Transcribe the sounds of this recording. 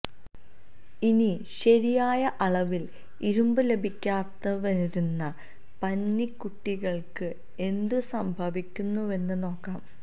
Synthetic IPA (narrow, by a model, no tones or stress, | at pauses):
ini | ɕɐɾijaːjɐʔɐɭɐʋil | iɾumbɨle̞bʱikʲːaːt̪ːɐʋɐɾiɾunːɐ | pɐnːikːuʈːiɣɐɭkɨ | e̞nd̪ɨsɐmbʱɐʋikʲːunːue̞nːɨno̞ːkːaːm